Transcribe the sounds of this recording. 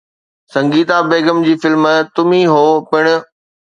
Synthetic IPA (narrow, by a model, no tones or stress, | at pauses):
sɐ̃ŋɡiːt̪abeːɡəmd͡ʑiːfɪlmt̪ʊmĩɦoːpɪɽ̃ʊ̆